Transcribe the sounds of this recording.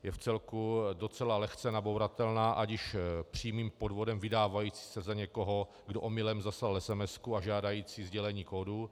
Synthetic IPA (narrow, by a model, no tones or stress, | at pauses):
jɛft͡sɛlkudo̞t͡sɛlalɛxt͡sɛnabowɾat̪ɛlnaːʔaɟɪʃpr̝̥iːmiːmpo̞dvo̞dɛmvɪdaːvajiːt͡si̥ːsɛzaɲɛkoɦo̞ | ɡdoʔomɪlɛmzaslalɛsɛmɛskuaʒaːdajiːt͡siːzɟɛlɛɲiːkodu